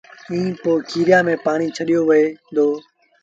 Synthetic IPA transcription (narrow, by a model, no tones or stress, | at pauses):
ĩːpoːkʰiːɾɪjaːmẽːpaːɽ̃iːt͡ʃʰəɗijoːʋɪeːd̪oː